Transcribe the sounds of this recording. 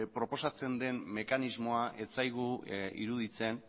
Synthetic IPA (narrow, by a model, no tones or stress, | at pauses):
pɾo̞po̞sat͡se̞nd̪e̞nme̞kanizmo̞aʔe̞t͡sajɣuḭɾuðit͡se̞n